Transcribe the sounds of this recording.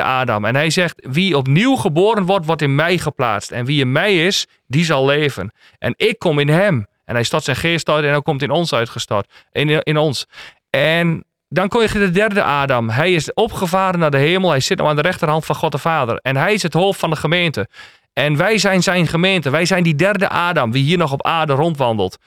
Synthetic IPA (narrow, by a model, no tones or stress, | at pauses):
ə̰ʔaːda̰mɛ̰nɦɛjzɛxtʋiɔp̬niwχəboːɾənʋɔrtʋɔrtɪnmɛjχəpla̰ːt͡stɛnʋiɪnmɛjɪs | dizɑlˠleːvə̰n | ʔɛ̰nɪkʰːɔmɪnɦɛm | ɛ̰nhɛjstɔtsɛjnχɪːstɔjtɛndɔkomtɪnɔnsœɥtxəstɔ̰tɪnɔns | ɛn | dɔnkomɪkdədɛrdə̰ʔaːdamɦɛjɪsɔpχəfaːɾənadəɦeːməlˠɦɛjsɪt̚nɔ̰xandəɾɛxtərɦɑntfɑnxɔt̚əfaːdə̰rɛnɦɛjɪsəthoːftfɔndəxəmeːntə | ʔɛnʋɛjzɛjnzɛjnχəmeːntəʋɛjzɛjndidɛrdə̰ʔaːdamʋiɦiːərnɔxɔpaːrdərɔntʋɑndəl̩ˠt